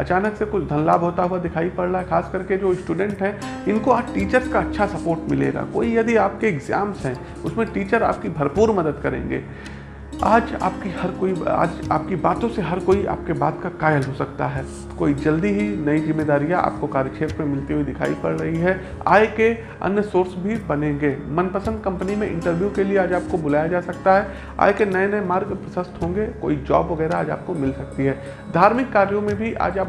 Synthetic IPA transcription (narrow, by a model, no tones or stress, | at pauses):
ɐt͡ʃaːnəksekʊt͡ʃʰd̪ʱɐnla̰ːbʱɦoːt̪aɦʊad̪ɪkʰaːipɐɽɾɐaːɦɛxʰaːskɐɾked͡ʒoːsʈuːɖɛ̃ɳʈɦɛ̃ɪnkoaːʈiːt͡ʃəɾskaɐtːʃʰasɐpoːɾʈmɪlḛːɡa̰ko̰ːijɐd̪iaːp̚keɪɡzaːmsɦɛ̃ː | ʊsmẽʈiːt͡ʃəɾa̰ːp̚kibʱɐɾpuːɾmɐd̪əd̪kɐɾḛ̃ːŋɡḛː | aːd͡ʒa̰ːp̚kihɐɾkoːia̰ːd͡ʒa̰ːp̚kibaːt̪õseɦɐɾkoːiʔa̰ːp̚keba̰ːt̪kakaːjəlɦosɐkt̪a̰ɦɛː | ko̰ːid͡ʒɐld̪iɦinɐizɪmːeːd̪aːɾijaa̰ːp̚kokaːɾjət͡ʃʰeːɾt̪mẽmɪlt̪eɦuid̪ɪkʰa̰ːipɐɾɾɐɦiɦɛ | a̰ːeke | ɐ̰njəsoːɾsbʱibɐnẽŋɡeːmɐnpəsə̃nd̪̚kɐ̃mpənimẽʔɪ̰̃ɳʈəɾʋjukelieaːd͡ʒaːp̚kobʊlaːjad͡ʒaːsɐk̚t̪aɦɛ | a̰ːekenɐenɐemaːɾɡpəsəst̪ɦõːŋɡeko̰ːid͡ʒɔ̰ːbʋɐɡɛːɾaaːd͡ʒa̰ːp̚komɪlsɐk̚t̪iɦɛː | d̪ʱaːɾmɪkːaːɾjõmẽbʱiʔa̰ːd͡ʒaːp̚